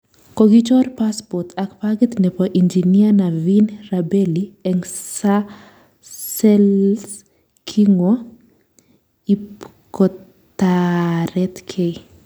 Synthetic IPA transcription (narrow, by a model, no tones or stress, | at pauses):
kɔɡit͡ʃɔrpaspɔt̪akpaɡɛt̪nɛpɔʔind͡ʒinianavinrabɛliɛŋsa | sɛls | kʰiŋɔ | i | kɔ | t̪aɾɛt̪kʰe